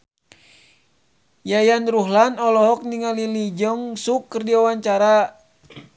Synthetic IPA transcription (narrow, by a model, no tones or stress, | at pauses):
jajanɾuɦlanɔlɔɦɔk̚niŋalilid͡ʒəŋsukːərdiawaɲt͡ʃaɾa